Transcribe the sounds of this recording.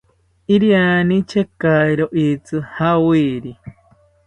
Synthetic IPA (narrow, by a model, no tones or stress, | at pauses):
iɾianĩt͡ʃekajɾoʔit͡sɨhawiɾi